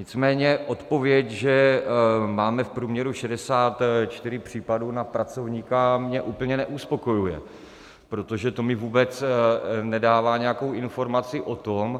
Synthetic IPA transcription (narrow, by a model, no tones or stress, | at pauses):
ɲɪt͡smɛːɲɛʔo̞t̪po̞vjɛcʒɛ | maːmɛfpɾuːmɲɛɾuʃɛdɛsaːt̪t͡ʃt̪ɪɾɪpr̝̥iːpaduːnapɾat͡so̞vɲiːkamɲɛʔuːpl̩ɲɛnɛʔuspo̞ko̞jujɛ̰ | pɾo̞t̪o̞ʒɛt̪o̞mɪvuːbɛt͡s | nɛdaːvaːɲɛjakowʔɪnfo̞ɾmat͡sɪʔo̞t̪o̞m